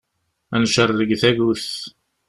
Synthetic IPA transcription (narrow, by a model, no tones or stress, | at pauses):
ænʃərˤːəɡθæʝuθ